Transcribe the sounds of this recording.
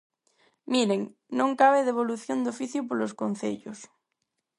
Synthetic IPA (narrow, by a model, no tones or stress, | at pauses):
miɾeŋnõŋkaβ̞eðeβ̞oluθjond̪ofiθjupoloskon̟θḛʎos